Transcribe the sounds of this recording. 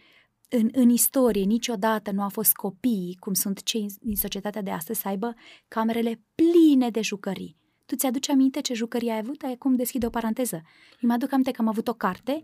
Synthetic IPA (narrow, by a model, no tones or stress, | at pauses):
ɨnɨnist̪o̞ɾije̞nit͡ʃʲo̞d̪at̪ənuawfo̞st̪̚kʰo̞pikumsunt̪t͡ʃe̞jd̪inso̞t͡ʃie̞t̪at̪ead̪e̞a̰st̪əzʲsəajbəkame̞ɾe̞le̞pline̞d̪e̞ʒukəɾḭ | t̪ut̪sjad̪ut͡ʃamint̪e̞t͡ʃe̞ʒukəɾiajavut̪ajakumd̪e̞skʲid̪eo̞paɾant̪e̞zə | ɨjmad̪ukamint̪ekəamavut̪o̞kart̪e̞